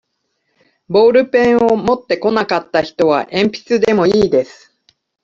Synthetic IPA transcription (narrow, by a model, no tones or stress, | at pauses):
bo̞ːɾɯ̟pẽ̞ɰ̃o̞mo̞t̪ːe̞ko̞nakat̪ːaçi̥t̪o̞β̞a̰ʔẽ̞mpʲi̥t͡sɨd̪e̞mo̞iːd̪e̞sɨ̥